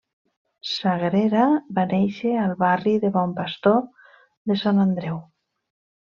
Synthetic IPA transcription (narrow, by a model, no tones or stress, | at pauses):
saɣɾeɾaβanejʃealβariðeβɔmpast̪o | ðesanand̪ɾɛw